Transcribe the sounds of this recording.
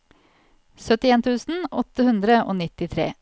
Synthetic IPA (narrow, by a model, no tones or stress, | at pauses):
sœt̪ɪeːnt̪ʰʉːsn̩ɔt̪ːəhʉnd̪ɾəʔo̰ːnɪt̪ɪt̪ʰɾḛː